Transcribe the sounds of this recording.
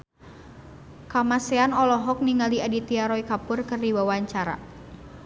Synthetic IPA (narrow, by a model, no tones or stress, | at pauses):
kamaseanɔlɔɦɔk̚niŋaliadit̪iaɾɔikapʊrkɨrdiwawaɲt͡ʃaɾa̰